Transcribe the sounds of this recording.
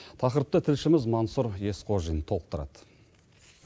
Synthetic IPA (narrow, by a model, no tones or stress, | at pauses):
t̪ʰɑqəɾəp̚t̪ət̪ʰɪlʃɪmɪzmɑnsuɾje̞sqʰo̞ʒijənt̪ʰo̞lˠəq̚t̪əɾɑ̰d̪̥ə